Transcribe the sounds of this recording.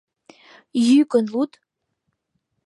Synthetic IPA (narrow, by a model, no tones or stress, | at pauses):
jykənlut̪